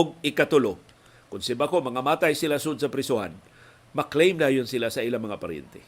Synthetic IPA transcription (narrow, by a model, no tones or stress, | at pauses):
ɡ̚ɪkat̪ʊlo | kʊnsibakomaŋamaːt̪ajsilasʊʔʊd̪sɐpɾɪsʊha̰n | maklejmd̪aːjʊnsilasailamɐŋapaɾɛ̰nt̪e